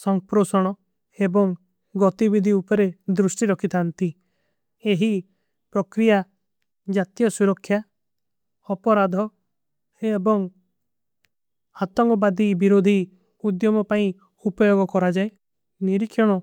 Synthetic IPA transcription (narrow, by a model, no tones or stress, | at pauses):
sɔŋpɾosɔɽ̃ɔ | ebɔŋ | ɡɔt̪ibid̪ʱiupɔɾed̪ɾusʈiɾɔkʰit̪ʰant̪i | eɦi | pɾɔkɾija | d͡ʒat̪jɔsuɾɔkʰːja | ɔpɔɾad̪ʱɔ | ebɔŋ | at̪ɔŋkɔbad̪ibiɾod̪ʱi | ud̪jɔmɔpaĩ | upɔjoɡɔkɔɾad͡ʒae | niɾikʰːjɔɽ̃ɔ